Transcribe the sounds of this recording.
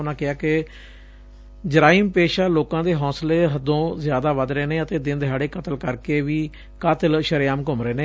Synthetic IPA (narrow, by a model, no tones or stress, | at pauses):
ʊnãːkɪaːkɪ | d͡ʒəɾaːiːmpeːʃaːloːkãːd̪eːɦɔ̃ːsleːɦəd̪õːzjaːd̪aːʋəd̪ɾeːneːət̪eːd̪ɪnd̪ɦaːɽeːkət̪əlkəɾkeːʋiː | kat̪əlʃəɾɪjaːmkʊmɾeːneː